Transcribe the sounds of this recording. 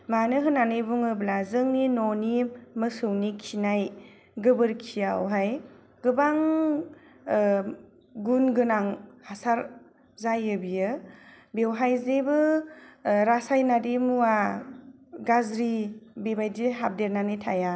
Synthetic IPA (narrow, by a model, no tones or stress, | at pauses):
manɯɦɯnanɯjbuŋɯblazɯŋninɔnimɯsɯwnikʰinaj | ɡɯbɯɾkʰijawɦaj | ɡ̥ɯbaŋ | ɡunɡɯnaŋhasaɾ | zajɯbijɯ | bewɦajzebɯ | ɾasajnadimuwa | ɡazɾibebajdiɦab̚deɾnanɯjtʰa̰ja